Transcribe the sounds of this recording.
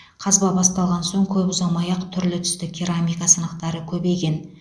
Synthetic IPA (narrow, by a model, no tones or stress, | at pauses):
qʰɑzbɑbɑst̪ɑlˠʁɑnso̞ɴkʲʰɵpʊzɑmɑjɑqt̪ʰʏɾlɪt̪ʰʏ̥st̪ɪkʲʰiɾamʲijkasənɑqt̪ɑɾəkʲʰɵbe̞jkʲe̞n